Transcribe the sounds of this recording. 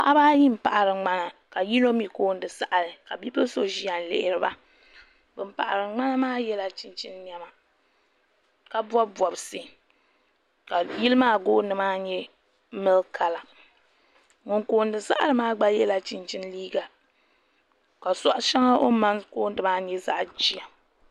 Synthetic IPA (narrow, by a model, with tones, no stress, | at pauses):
a̰˦ʔa˦baː˦ji˦m̩˨pa˨ʔa˨ɾɨ˨ŋ͡ma˦na˨ka˨ji˦no˦mi˨koː˦n˦dɨ˨sa˦ʔa˨ɾɨ˨ka˨bi˦pɨ˦so˦ʒi˦a˨n˨lɪ̰˨ʔɪ˨ɾɨ˦ba˦ | bɨ˨m̩˦pa̰˨ʔa̰˨ɾɨ˨ŋ͡ma˦na˦maː˦jɛ˦la˨t͡ʃi˨nt͡ʃi˦nːjɛ˦ma˨ | ka˦bɔ˦bɔ˨bsɨ˦ | ka˨ji˦lɨ˦maː˦ɡoː˦nɨ˨maː˦ɲɛ˦ | mɨ˦lkʰa˦la˨ | ŋʊ˨ŋkoː˨ndɨ˨sa̰˦ʔa˨lɨ˨maː˦ɡ͡ba˦jɛ˦la˨t͡ʃɪ˦nt͡ʃi˦nliː˦ɡa˨ | ka˨sɔ˦ʔʃɛ˦ŋa˦ʔo̰˦ma˦nkoː˦n˦dɨ˨maː˦ɲɛ˦za̰˦ʔd͡ʒi˦a˨